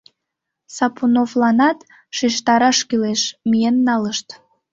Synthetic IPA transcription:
sɑpunovlɑnɑt̪ | ʃiʃt̪ɑɾɑʃkyleʃmienːɑləʃt̪

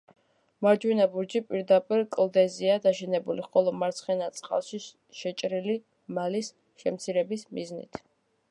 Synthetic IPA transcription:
maɾd͡ʒwinabuɾd͡ʒipʼiɾd̪apʼiɾkʼlˠd̪ɛziad̪aʃɛnɛbuliχɔlˠɔmaɾt̪sʰχɛnat̪sʼqʼa̰lˠʃi | ʃɛt͡ʃʼɾili | malis | ʃɛmt̪sʰiɾɛbismḭznḭt̪ʰ

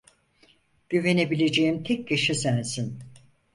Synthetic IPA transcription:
ɟ̥yve̞nebilʲe̞d͡ʒejimt̪ʰɛcjaʃɯsænsin

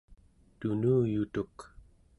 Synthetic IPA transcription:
t̪unuːjut̪uk

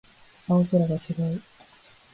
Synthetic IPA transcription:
aosoɾaɡat͡ɕiɡaɯ

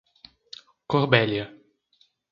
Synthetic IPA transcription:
koɾbɛljɐ

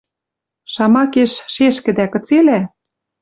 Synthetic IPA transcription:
ʃɑmɑkeʃʃeʃkɘ̆d̪ækɤ̆t͡selæ

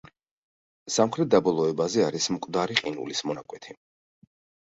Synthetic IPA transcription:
samχɾɛt̪̚d̪abɔlˠɔɛbazɛaɾismkʼd̪aɾiqʼinṵlismɔnakʼwɛt̪ʰi

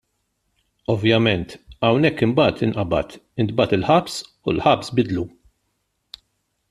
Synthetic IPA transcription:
ɔvjɐmɛnt̪ɐwnɛkːɪmbɐːt̪ɪnʔɐbɐ̰t̪ɪnd̪bɐt̪ɪlħɐps | ulħɐpsbɪd̪lu

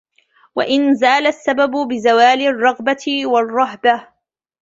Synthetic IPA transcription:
wa̰ʔɪnzaːlasːababʊbɪzawaːlɪrˤːɑɣbatɪwɑrˤːɑɦba

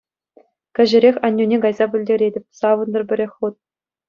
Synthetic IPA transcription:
kʲɘ̆ʑɘ̆ɾʲexʲɑnʲːunʲeɡɑjzɑbʲɘ̆lʲdʲeɾʲedʲɘ̆pʲsɑʋɤ̆nd̪ɤ̆rbʲɘ̆ɾʲexʲχut̪̚

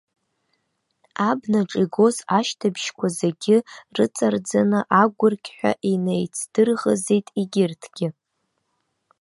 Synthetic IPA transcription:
abnaʈ͡ʂʼiɡo̞zaʃtʰabʃkʷʰazeɡʲɪrɨt͡sʼard͡zanɨʔaɡʷʊrkʲʰʼħᶣʷa̰ʔinejt͡sʰd̥ɨrʁəzejtʼiɡʲɪrtʰɡ̥ʲɪ

